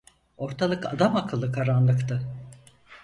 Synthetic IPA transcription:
o̞ɾt̪ʰalˠɯkad̪amakʰɯlˠːɯkʰaɾanlˠɯkt̪ʰɯ

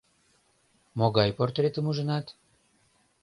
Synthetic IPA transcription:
moɣɑjport̪ret̪əmuʒənɑt̪

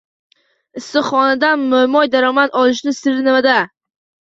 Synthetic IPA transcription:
ɪsːɪχɒnad̪anmʊmɒjd̪aɾɒmat̪ɒlˠɪʃ̬nɪsɪɾnɪmad̪a

